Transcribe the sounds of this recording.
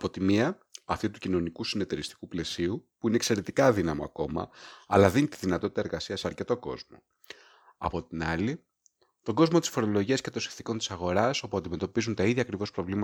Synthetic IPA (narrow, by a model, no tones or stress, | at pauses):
ɐpot̪imiɐ | ɐft̪it̪ucino̞nikusine̞t̪eɾist̪i̥kuple̞siupuineːkse̞ɾe̞t̪ikɐðinɐmoɐ̰ko̞mɐ̰ɐlɐðinit̪iðinɐt̪ot̪it̪ɐe̞ɾɣɐsiɐseɐɾce̞t̪o̞ko̞̰zmo̞̰ | ɐ̰po̞t̪inɐli | t̪o̞ɡo̞zmot̪i̥sfo̞ɾo̞lo̞ʝiɐsce̞t̪o̞nsi̥nθiko̞nt̪i̥sɐɣo̞ɾɐso̞puɐnd̪ime̞t̪o̞pizunt̪ɐiðʝɐːkɾivo̞spɾo̞vlimɐ